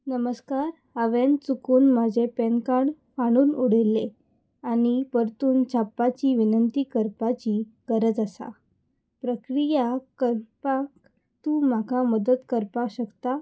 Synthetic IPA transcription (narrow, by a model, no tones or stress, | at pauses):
nəməskaɾ | əʋent͡sukuːnmad͡ʑʱepenkaɳ | kaɽ̃uːnuɽ̤elːe | aɽ̃ipəɾt̪uːnt͡ɕʰapːat͡ɕiːʋinənt̪iːkəɾpat͡ɕiːɡ̥əɾəd͡zəsa̰ | pɾəkɾijakəɾpak | t̪uːm̤akaməd̪ət̪kəɾpakɕəkt̪a